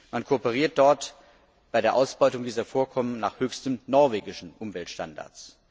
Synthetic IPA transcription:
mankʰopəʁ̞iːɐt̚d̥ɔɐt | b̥aɪɾeːɐʔaʊsb̥ɔʏtʊŋdiːzɐfoːɐkʰɔmənnaːχhøːçstəmnɔɐveːɡɪʃn̩ʔʊmvɛltʃta̰nda̰ɐt͡s

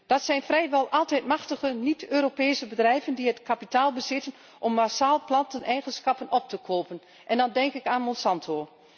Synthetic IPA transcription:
d̥ɑtsɛjnfrɛjʋɛlˠʔɑlˠtɛjtmɑxtəχənitʰøːropeːsəbədrɛjvəndiɦətkapitaːlˠbəzɪtən | ʔɔmːasaːlˠplɑntənʔɛjχənsxɑpənɔp̚təkoːpən | ʔɛndɑndɛŋkɪkaːnmɔnsɑntʰoː

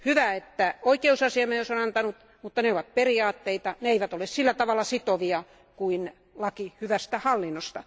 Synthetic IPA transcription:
hyʋæet̪ːæoikeusɑsiɑmejosonɑnt̪ɑnut̪ | mut̪ːɑneoʋɑt̪̚periɑːt̪ːeit̪ɑneeiʋæt̪olessilːæt̪ɑʋɑlːˑɑsit̪oʋiɑ | kuin | lɑkihyʋæst̪æhɑlːinːost̪ɑ

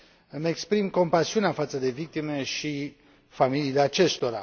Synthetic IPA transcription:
mekspɾimko̞mpasiuneafat̪səd̪e̞vik̚t̪ime̞ʃi | familiːleat͡ʃe̞st̪o̞ɾa̰

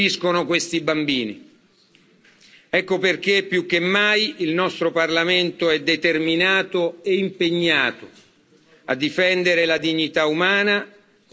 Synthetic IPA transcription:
iskonokwest̪ibambiːnḭ | ɛkːoperk̟epːjukːemːajilnɔst̪ɾoparlament̪oɛd̪ːet̪erminaːt̪oeimpeɲːaːt̪o | a̰d̪ːifɛnd̪eɾelad̪iɲːit̪aumaːna

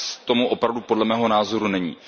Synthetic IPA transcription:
t̪o̞muʔo̞pɾavdupo̞dlɛmɛːɦo̞naːzo̞ɾunɛɲḭː

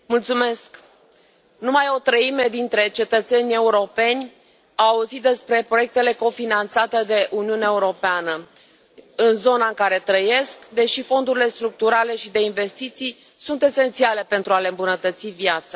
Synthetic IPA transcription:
mult̪sume̞sk | numajo̞t̪ɾəime̞d̪int̪ɾe̞t͡ʃe̞t̪ət̪se̞nʲe̞uɾo̞pe̞nʲ | aauzit̪̚d̪e̞spɾe̞pɾo̞je̞k̚t̪e̞le̞ko̞finant̪sat̪e̞d̪e̞ʔuniuneaeuɾo̞peanə | ɨnzo̞naɨŋkaɾe̞t̪ɾəje̞skd̪e̞ʃifo̞nd̪uɾile̞st̪ɾuk̚t̪uɾale̞ʃid̪e̞inve̞st̪it̪sij | sunt̪e̞se̞nt̪siale̞pe̞nt̪ɾuale̞ɨmbunət̪ət̪sivjat̪sa

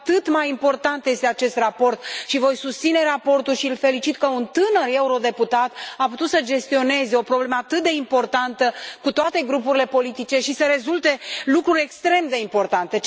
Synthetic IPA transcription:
t̪ɨt̪majimpo̞rt̪ant̪əje̞st̪eat͡ʃe̞st̪rapo̞rt̪ʃivo̞jsust̪sine̞rapo̞rt̪ulʃiɨlfe̞lit͡ʃit̪kəunt̪ɨnəre̞uɾo̞d̪e̞put̪at̪aput̪ut̪səd͡ʒe̞st̪io̞ne̞zeo̞pɾo̞bleməat̪ɨt̪̚d̪e̞impo̞rt̪ant̪əkut̪oat̪e̞ɡɾupuɾile̞po̞lit̪it͡ʃe̞ʃisəɾe̞zult̪e̞lukɾuɾʲe̞kst̪ɾe̞md̪e̞impo̞rt̪ant̪e̞

